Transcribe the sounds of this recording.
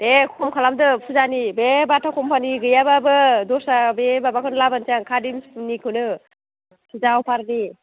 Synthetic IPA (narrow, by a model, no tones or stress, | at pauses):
dekʰɔmkʰalamdɯpʰuzanibebatʰakʰɔmpʰaniɡɯjababɯdɔsabebabakʰɯnlabansiaŋkʰadimmnikʰɯnɯ | pʰɯzawpʰaɾni